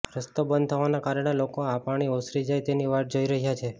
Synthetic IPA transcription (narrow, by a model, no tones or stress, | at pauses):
ɾəst̪obənd̪t̪ʰəʋanakaɾəɽ̃elokoapaɽ̃iosɾid͡ʒajt̪eniʋaʈ̚d͡ʒoiɾəɦjat͡ʃʰe